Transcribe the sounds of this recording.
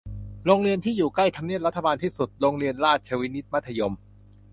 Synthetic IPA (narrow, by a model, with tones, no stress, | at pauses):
ɾoː˧ŋɾi˧ənt̪ʰiː˥˩juː˨˩kla˥˩jt̪ʰa˧mni˥˩əɾa˦˥t̪ʰːa˧baː˧nt̪ʰiː˥˩su˨˩t̪̚ɾoː˧ŋɾi˧ənɾaː˥˩t̪̚t͡ɕʰa˧wi˦˥ni˦˥t̪̚ma˦˥t̪ʰːa˧jo˧m